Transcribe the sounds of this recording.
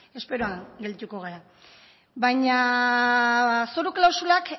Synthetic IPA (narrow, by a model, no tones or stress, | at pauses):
e̞spe̞ɾoaŋɡe̞lt̪uko̞ɣ̞eɾa | bajɲa | soɾuklawsulak